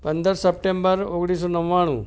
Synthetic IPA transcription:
pənd̪əɾsəp̚ʈembəɾoɡɽ̃is̬onəʋːaɽ̃ṵ̃

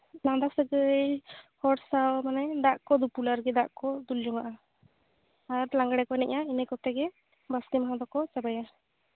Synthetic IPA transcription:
laŋd̪aksəɡəjhɔʈsawmanɛd̪aʔkɔd̪upulaɾɡɛd̪aʔkɔd̪uld͡ʒɔŋaʔa | aɾlaŋɡɽɛkɔnɛʔjainəkɔt̪ɛɡɛ | bast̪imaɦãd̪ɔkɔt͡ʃabaja

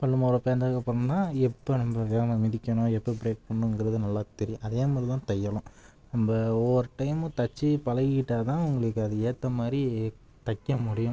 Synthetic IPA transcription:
pɐlːɯmoːɾpeːnd̪ɐkːɐpɐɾnãːɛpːonɐmbɐʋeːɣɐmɐmɪðɪkʲːɐɳʊ̃ɛpːɐbɾeːk̚pɐɳːɯŋɡɪɾɐðɯnɐlːaːt̪ɛɾɪjʊ̃ʔɐðeːmaːðɾɪt̪ãːt̪ɛjːɐlʊ̃ | nɐmbɐɔːɾɯʈːɐɪmɯt̪ɐt͡ʃːipɐlɐkɪʈːaːt̪ãːʊŋɡɐɭɯkːɯɐðɯeːt̪ːɐmaːd̪ɾi | t̪ɐkːɐmʊɽɪjʊ̃

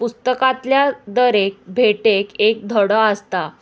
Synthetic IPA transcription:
pust̪əkãt̪ljad̪əɾek̚bʱeʈekek̚d̪ʱəɽəəst̪a

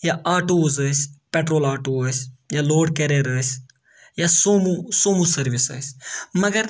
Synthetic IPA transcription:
jaʔaːʈoːzəːspeːʈɾoːlaːʈoːəːsjaːloːɖ̚keɾeːɾəːsʲ | jasoːmusoːmusəɾʋɪsə̰ːsmɐɡəɾ

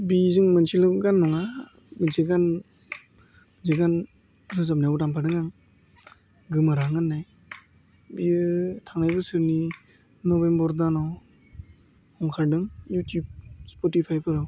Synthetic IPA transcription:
bizɯŋmansilɯɡanːɔŋa | mɯnseɡan | nzeɡan | sɯzap̚nautampʰaɾdɯŋaŋ | ɡɯmɯɾaŋɯnːaj | biɯtʰaŋnajbɯsɯɾni | nɔbembɔɾdanɔw | hɔŋkʰaɾdɯŋjutub̚spɔtipʰajpʰɯɾaw

